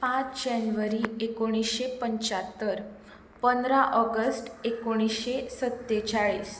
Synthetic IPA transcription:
pãt͡sd͡ʑanʋəɾiekoɽ̃isɕepəɲt͡ɕat̪ːəɾ | pənd̪ɾaʔɔɡəsʈekoɽ̃isɕesət̪ːet͡ɕaɭiːs

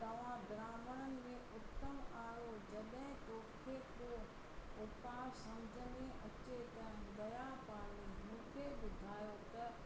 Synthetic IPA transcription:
t̪ɐʋ̤ãd̪ɾaːməɽənɪ̆mẽʊt̪ːəmaːɾod͡ʑɐɗɦɪ̃toːkʰeː | o | ʊpaːɾsɐmd͡ʑʱəniɐt͡ɕet̪ɐdɐɾapaːɽimʊ̃ːkʰeɓʊd̪ʱaːjot̪ɐ

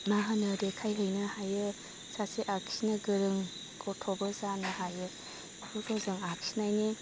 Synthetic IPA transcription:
maɦanɯɾekʰajɦəjnɯhajɯ | sasiʔaksinɐɡɯɾɯŋ | kʰɔtʰobɐzanɯhajɯ | bukʰozɯŋaksinajni

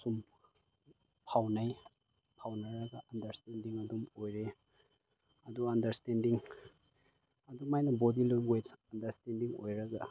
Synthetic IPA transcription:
sum | pʰawnaj | pʰawnɐɾɐɡɐʔɐndɐɾstendiŋɐdumojɾe | ɐduɐndɐɾstendiŋ | ɐdumajnɐbodilojŋɡwed͡ʒɐndɐɾstendiŋo̰jɾɐɡɐ

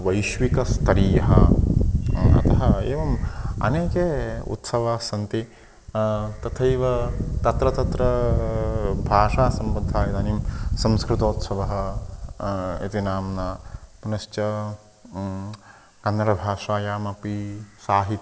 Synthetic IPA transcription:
ʋɐjʃʋikɐst̪ʰɐɾiːjɐɦɐ̰ | ɐ̰t̪ɐɦɐeːʋɐmɐ̰neːkeːṵt̪sɐʋasɐnt̪i | t̪ɐt̪ʰɐjʋɐt̪ɐt̪ɾɐt̪ɐt̪ɾɐ | bʱaːʂaːsɐmbɐnd̪ʱaːjɐd̪ɐnimsɐ̃mskɾɪt̪oːt̪sɐʋɐɦɐ | ḭt̪inaːmnɐpunɐʃt͡ʃɐ | kɐnːɐɾɐbʱaːʂaːjaːmɐpisaːɦit̪

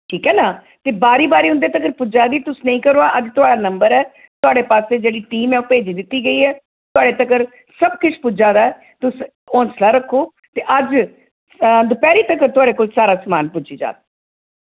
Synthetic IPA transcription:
ʈʰiːkɦɛːnaː | t̪eːbaːɾiːbaːɾiːɦʊ̃nd̪eːt̪əkəɾpʊd͡ʒaːd̪iːt̪ʊsnəĩːkəɾoːaːʔəd͡ʒt̪ʊaːɽaːnəmbəɾɛː | t̪ʊaːɽeːpaːseːd͡ʒeːɽiːʈiːmɛːpeːd͡ʒiːd̪ɪt̪ːiːɡəiːɦɛː | t̪ʊaːɽeːt̪əkəɾ | səb̚kʊt͡ʃʰpʊd͡ʒaːd̪aːɛ | t̪ʊs | ɔ̃ːnslaːɾəkʰːoː | t̪eːʔəd͡ʒ | d̪ʊpɛːɾiːt̪əkəɾt̪ʊaːɽeːkoːlsaːɾaːsmaːnpʊd͡ʒiːd͡ʒa̰ːt̪̚

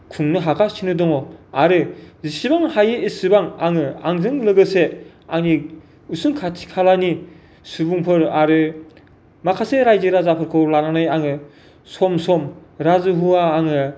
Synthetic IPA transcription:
kʰuŋnɯɦakʰasinɯdɔŋɔaɾɯzisibaŋhajɯesibaŋa̰ŋɯa̰ŋzɯŋlɯɡɯse | aŋni | usɯŋkʰatʰi̥kʰalani | subuŋpʰɯɾaɾɯ | makʰaseɾajzɯɾazapʰɯɾkʰɯwlananɯjaŋɯ | sɔmsɔmɾazɯɦuaːŋɯ

